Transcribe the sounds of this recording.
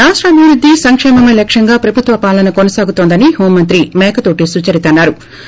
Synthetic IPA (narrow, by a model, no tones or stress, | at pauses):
ɾaːʂʈɾɐːbʱiʋɾud̪ʱːisɐŋkʂɛːmɐmɐjlɐkʂɐŋɡaːpɾɐbʱut̪ʋɐpaːlɐnɐkonɐsaːɡut̪ond̪ɐniɦoːmːɐnt̪ɾimɛːkɐt̪oːʈisut͡ʃɐɾit̪ɐnːaːɾu